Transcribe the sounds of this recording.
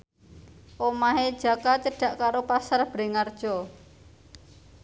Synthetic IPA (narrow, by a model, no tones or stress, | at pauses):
ʔomaɦed̥ʒ̥a̤kat͡ʃəɖ̥ä̤ʔkaɾopasarb̥ɾe̤ŋard̥ʒ̥ɔ